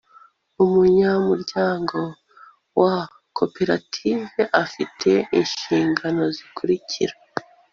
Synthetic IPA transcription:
umuɲamuɾɟaːŋɡo̞ | wa | kʰopeɾatʰiveʔafitʰe̞iɲʃiːŋɡano̞zikuɾicʰiɾa

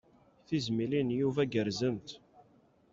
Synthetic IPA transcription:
θizmilinjuvæɡəɾzənt̪

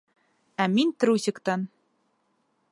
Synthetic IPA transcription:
æmint̪ɘ̆ɾusʲɘ̆kt̪ɑn

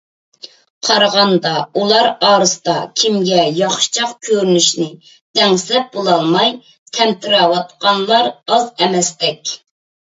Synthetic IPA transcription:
qʰɑɾʁɑnd̪ɑulˠɑɾɑːɾɨsd̪ɑkʲʰimɡʲɛjɑχʃɨ̥t͡ʃʰɑqkʲʰøɾynyʃnɪ | d̪̥ɛŋsɛp̚bolˠɑlˠmɑj | t̪ʰɛmt̪ʰɪɾɑwɑt̪̚qɑnlˠɑɾɑzɛmɛst̪ɛkʲ

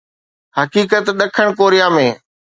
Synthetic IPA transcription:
ɦɐkiːkət̪ɗ̪ɐkʰəɽ̃koːɾijaːmẽː

